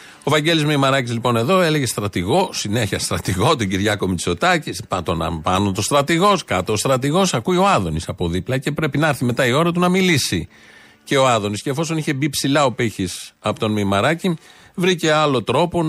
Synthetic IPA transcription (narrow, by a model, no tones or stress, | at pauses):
o̞vɐɲɟe̞lizmeimɐɾɐcizlipo̞ne̞ðo̞e̞le̞ʝe̞st̪ɾɐt̪iɣo̞sine̞çiɐst̪ɾɐt̪iɣo̞t̪oɟiɾʝɐko̞miso̞t̪ɐcispɐt̪o̞nɐ̰pɐnut̪ost̪ɾɐt̪iɣo̞skɐt̪oːst̪ɾɐt̪iɣo̞sɐkuio̞ɐðonisɐpo̞ðiplɐce̞pɾe̞pinɐɐɾθime̞t̪ɐio̞ɾɐt̪̬unɐmilisi | ce̞oɐðo̞nisce̞ːfo̞so̞niçe̞bipsilɐo̞piçisɐpot̪o̞nmimɐɾɐci | vɾice̞ɐlo̞t̪ɾo̞po̞